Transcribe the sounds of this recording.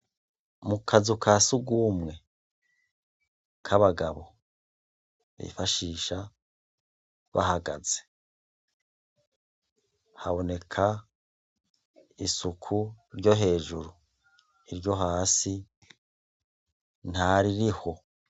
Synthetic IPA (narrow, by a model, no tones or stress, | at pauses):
mukʰazukʰasuɡumŋe̞ | kʰaβaɡaβo̞ | βḭfaʃiːʃa | βa̰ɦaɡa̰ze̥ | haβo̞ne̞kʰa | sukʰuɾɟo̞ɦe̞ːʒuɾu | iɾɟo̞ɦaːsi | n̥haɾiɾiho̞